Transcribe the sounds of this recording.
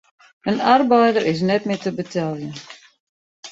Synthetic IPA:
ənarbɛjdəɾʔɪs̬nɛtmɪtəbətʰɛlˠjə

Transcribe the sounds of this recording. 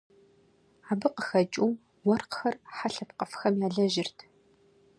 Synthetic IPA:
aːbɨqəxɐt͡ʃʼuw | wɔrqxɐrħaɬɐpqəfxɐmjaːɮɐʒɪrtʰ

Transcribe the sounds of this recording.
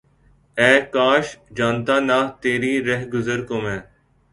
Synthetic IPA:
ɛːkaːʃd͡ʒaːnt̪aːnaːt̪eːɾiːɾɛɦɡʊzəɾkomɛ̃ː

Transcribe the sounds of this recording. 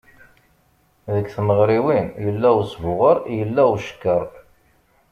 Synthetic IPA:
ðəkθməʁɾiwinjəlːæwsvʊʁəɾjəlːæwʃə̥kːəɾˤ

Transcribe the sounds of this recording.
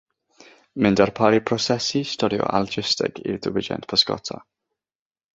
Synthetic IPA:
mɪndaɾpʰaɾipʰrɔsɛsistɔdjɔ̰ʔald͡ʒɪstɛ̰ɡḭdəwɪd͡ʒɛ̰ntpʰɔskɔ̰tʰa

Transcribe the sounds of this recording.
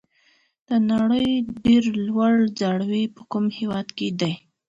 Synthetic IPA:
d̪̥ənaɽəjɖeɾlwaɽd͡zɑɽwipəkumhewɑd̪ked̪aj

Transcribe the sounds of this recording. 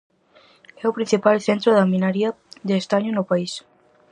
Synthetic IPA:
ɛʊpɾin̟θipalθent̪ɾʊðɐmĩnaɾiɐ | ðeːst̪aɲʊnʊpais

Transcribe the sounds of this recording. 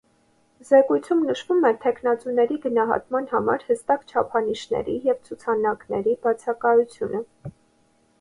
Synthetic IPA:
zɛkujt͡sʰumnəʃvumɛt̪ʰɛkʰnɑt͡sunɛɾiɡənɑɦɑ̰t̪mɑnhɑmɑ̰ɾhəst̪ɑkt͡ʃʰɑpʰɑniʃnɛ̰ɾijɛvt͡sʰut͡sʰɑnɑknɛɾibɑt͡sʰɑkɑjut͡sʰjunə

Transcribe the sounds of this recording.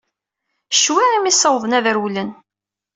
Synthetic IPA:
ʃwiʁimisəwðˤənæðəɾwlən

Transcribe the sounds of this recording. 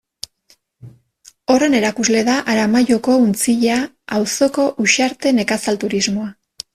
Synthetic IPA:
o̞re̞ne̞ɾakuzle̞ðaʔaɾamaʝo̞ko̞unt͡siʎa | awso̞ko̞ʔuʃaɾt̪e̞ne̞kasalt̪uɾizmo̞a

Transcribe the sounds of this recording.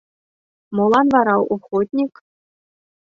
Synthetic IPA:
molˠɑnvɑɾɑwʔuχot̪ʲnʲik

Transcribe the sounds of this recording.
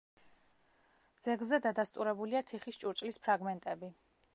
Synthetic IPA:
d̪z̥ɛɡlˠzɛd̪ad̪ast̪ʼuɾɛbuliat̪ʰiχist͡ʃʼuɾt͡ʃʼlispʰɾaɡmɛnt̪ʼɛbi

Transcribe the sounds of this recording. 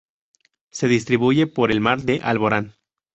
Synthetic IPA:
se̞ðist̪ɾiβuʝe̞po̞ɾe̞lmaɾðe̞ʔalβo̞ɾan

